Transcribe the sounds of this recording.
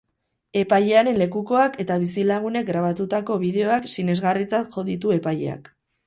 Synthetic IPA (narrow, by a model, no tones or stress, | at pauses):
e̞pajʎe̞aɾe̞nle̞kuko̞ake̞t̪aβ̞isilaɣ̞une̞k̚ɡɾaβ̞at̪ut̪ako̞βiðe̞o̞aksine̞zɣarit͡sat̪ʝo̞ðit̪ue̞pajʎe̞̰a̰k